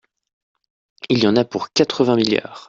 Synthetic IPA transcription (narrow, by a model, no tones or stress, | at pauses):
iljɑ̃napuʁkat̪χəvɛ̃miljœ̰ːʁ